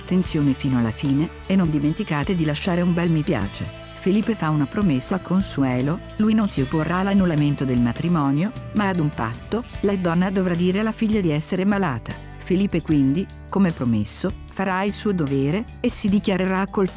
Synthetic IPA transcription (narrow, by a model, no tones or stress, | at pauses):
at̪ːent̪sjoːnefiːnoalːafiːne | ɛnːond̪iment̪ikaːt̪ed̪ilaʃːaːɾeumbɛlmipja̰ːt͡ʃe | feliːpːefaunapɾomesːakʰːonsuɛːlo | lujnonsiopːorːaːlːanːulament̪od̪elmat̪ɾimɔːnjomaːd̪umpa̰t̪ːolad̪ɔnːad̪ovɾad̪ːiːɾelafiʎːad̪iɛsːeɾemalaːt̪a | feliːpːekwind̪i | komepɾomesːofaɾailsuːod̪ovɛːɾeːsid̪ikjaɾeɾaːkːol